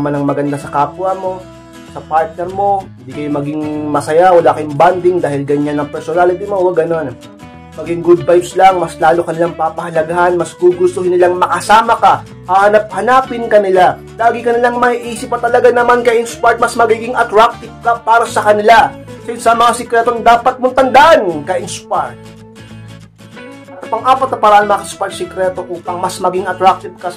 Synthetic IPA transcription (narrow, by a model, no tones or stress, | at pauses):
manɐŋmɐɡɐnd̪asɐkaːpwɐmo̞ | sɐpaɹt̪̚nɛɾmo̞ɪnnd̪iːkɐjʊmɐɡɪŋmɐsɐjawɐlaːkɐjʊŋband̪ɪŋd̪aːhɪlɡɐɲanːɐŋpɛɾsonaːlɪt̪ɪmo̞wɐɡɐno̞n | mɐɡɪŋɡud̪̚bajbslɐŋmɐslaːlokɐnɪlaŋpapɐhɐlɐɡahanmɐsɡuɡʊst̪ohɪnɪlaŋmɐkɐsaːmɐka | haːhɐnap̚hɐnaːpɪnkɐnɪla | laːɡɪkɐnɪlaŋmɐhiʔiːsɪpːɐt̪ɐlɐɡanɐmankɐʔɪnspaɹt̪̚mɐsmɐɡiːɡɪŋɐt̪ɾak̚t̪ɪv̚kɐpaːɾɐsɐkɐnɪlasɐɪnsɐmɐŋasɛkɾɛt̪oŋd̪aːpɐt̪̚mʊnt̪ɐnd̪aʔankɐʔɪnspaɹt̪̚ | ɐt̪ɐpɐŋʔaːpɐt̪̚ɐpɐɾaanmɐŋakɐspat̪sɛkɾɛt̪o̞ʔuːpɐŋmɐsmɐɡɪŋɐt̪ɾak̚t̪ɪvkɐ